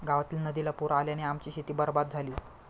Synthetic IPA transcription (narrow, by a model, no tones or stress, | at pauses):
ɡaʋat̪iːlnəd̪ilapuɾaljaneamt͡ɕiːɕit̪iːbəɾbad̪̚d͡zʱaliː